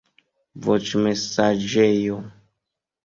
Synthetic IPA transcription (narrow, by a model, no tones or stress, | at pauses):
vot͡ʃmesad͡ʒejo